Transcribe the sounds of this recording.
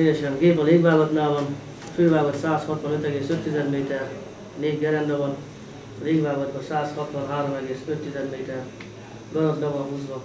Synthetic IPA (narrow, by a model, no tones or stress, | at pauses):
ejɛʃɛnɡeːpɒleːɡʋaːɡɒt̪naːlvɒn | fyjvaːɡɒt̪saːshɒt̪ʋɒnøt̪ɛɡeːsøt̪ːizɛd̪meːt̪ɛr | neːɟɡɛɾɛnd̪ɒvɒn | ɒleːɡʋaːɡɒd̪bɒsaːshɒt̪ʋɒnɦaːɾomɛɡeːsøt̪ːizɛd̪meːt̪ɛr | ɡɒɾozd̪ɒvɒnɦuːzʋɒ